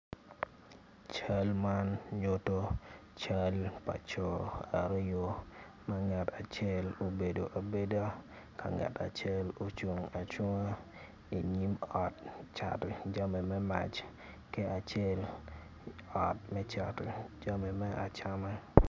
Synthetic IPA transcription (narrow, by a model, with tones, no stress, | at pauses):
t͡ʃa˦lma˦nɲo˦to˦t͡ʃa˦lpa̰˨t͡ʃɔ˨a̰˨ɾɪ˦jo˦ | ma˦ŋɛ˨ta˨t͡ʃe˦˨lo˨be˨do˨ʔa˨be˦da˦ | ka̰˨ŋɛ̰˨tʰa̰˨t͡ʃe˦lo˨t͡ʃu˨ŋa˨t͡ʃo˦ŋo˦ | i˨ɲi˦mɔ˨tt͡ʃa̰˨td͡ʒa˦me˨mɛ˦ma̰˨t͡ʃ | ke˦a˨t͡ʃe˦l | ɔ˨t̚mɛ˦t͡ʃa˨td͡ʒa˦me˨mɛ˦ʔa̰˨t͡ʃa˦mɛ˦